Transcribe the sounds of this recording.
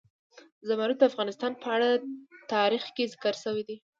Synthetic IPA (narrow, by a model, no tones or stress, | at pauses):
zamaɾut̪̚d̪əafɣɑnɪst̪ɑnpəaɽat̪ɑɾixkezɪkəɾsəwid̪i